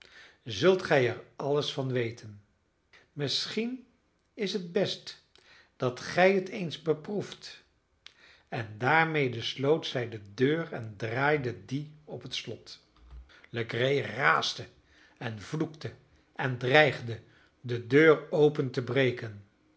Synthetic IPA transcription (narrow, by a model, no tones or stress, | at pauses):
zɵlˠtχɛjɛɹɑləsfɑnʋejtʰən | mɪsχin | ɪsɦəd̚bɛst | d̥ɑtχɛjɦətʰejnzbəpruft | ɛndaːɹmejdəslowtsɛjdədøːrɛndraːjdədiɔpɦətslɔt | ləɡrejraːstə | ɛnvluktə | ɛndrɛjχdə | dədøːɹowpəntəbrejkən